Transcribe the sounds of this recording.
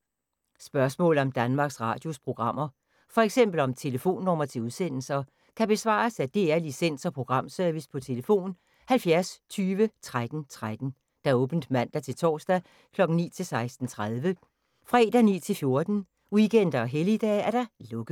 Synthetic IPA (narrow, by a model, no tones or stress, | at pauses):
sb̥ɶɐsmɔ̰̽ːl̩ˠɒ̽md̥ænmɑ̈ːɡ̥sʁɑ̰̈ːd̥jo̝spʰʁo̝ɡ̥ʁɑ̈m̰ɐ | fɒ̽eɡ̥sem̰b̥l̩ɒ̽mt͡sʰe̝ləfo̝̰ːnːɒ̽mɐt͡sʰe̝uðˠsen̰l̩sɐ | kʰæb̥e̝sʋɑ̰̈ːsæd̥e̝æɐlisen̰sɒ̽pʰʁo̝ɡ̥ʁɑ̈m̰sœɐʋispʰɒ̽t͡sʰe̝ləfo̝̰ːn | hælfjæɐst͡sʰyːʋət͡sʰʁad̥n̩t͡sʰʁad̥n̩ | d̥ɑɔ̽ːb̥n̩d̥mæn̰d̥æt͡sʰe̝lt͡sʰɒ̰ːsd̥æ | kʰlɒ̽ɡ̥n̩nḭːt͡sʰe̝lsɑ̈ɪsd̥n̩t͡sʰʁaðˠʋə | fʁḛːd̥ænḭːt͡sʰe̝lfjo̝ɐd̥n̩ | iɡ̥en̰d̥ɐɒ̽ɦelid̥ɛ̰ːæɐd̥ɑ̈lɔ̽ɡ̥ð̩ˠ